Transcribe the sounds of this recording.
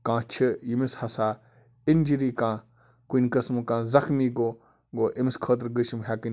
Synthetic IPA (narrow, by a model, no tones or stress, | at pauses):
kãːt͡ʃʰɨjimishɐsaː | inʲd͡ʒiɾiːkãː | kunʲkɐsmkãːzɐxmiːɡoː | ɡoːʔimiskʰəːt̪̬ɾɡəʃmɦakɨnʲ